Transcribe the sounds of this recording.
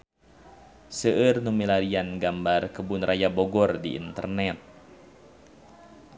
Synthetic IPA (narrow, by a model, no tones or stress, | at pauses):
səʔɨrnumilaɾianɡambarkəbunrʔajaboɡɔrdiḭnt̪ə̰rnɛt̪̚